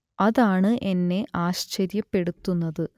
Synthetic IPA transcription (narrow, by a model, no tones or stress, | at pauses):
ɐðaːɳɨʔe̞nːe̞ʔʔaːɕt͡ɕɐɾjɐpːe̞ɽut̪ːunːɐðɨ